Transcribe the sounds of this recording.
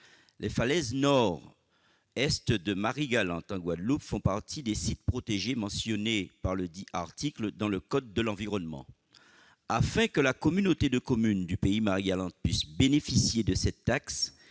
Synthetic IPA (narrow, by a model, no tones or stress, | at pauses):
lʔefalɛznɔʁ | ɛst̪d̪əmaʁiɡalɑ̰̃t̪ɑ̃ɡwad̪lupfɔ̃paʁt̪ʰid̪esit̪̚pχot̪eʒemɑ̃sjɔnepaʁləd̪iʔaʁt̪ikləd̪ɑ̃ləkɔd̪̚ːəlɑ̃viʁɔnmɑ̰̃ | afɛ̃kəlakɔmynot̪ed̪əkɔmynd̪ypeimaʁiɡalɑ̃t̪̚pɥisbenefisjed̪əsɛt̪ːaks